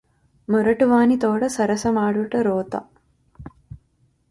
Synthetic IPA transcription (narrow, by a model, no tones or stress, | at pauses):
muɾɐʈuʋaːnit̪oːɽɐsɐɾɐsɐmaːɽuʈɐɾoːt̪ɐ̰